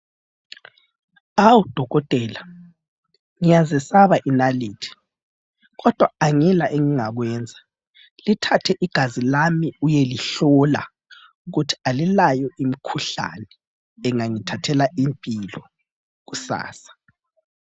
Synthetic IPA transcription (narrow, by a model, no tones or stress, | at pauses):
awud̥ʱɔɣɔtʼɛːla | ŋijazɛsaβaʔinaliːtʰi̥ | ɣɔd̥ʱwaaŋɛlaʔeŋiŋaɣwɛːnd͡zʱa | litʰatʰɛʔiɡ̥ʱazilamiujeliɬɔla̰ | uɣutʰi̥alilajɔʔimikʰuɬa̰nɛː | ŋaŋitʰatʰɛlaʔimpʼilɔ | ɣusa̰ːsḁ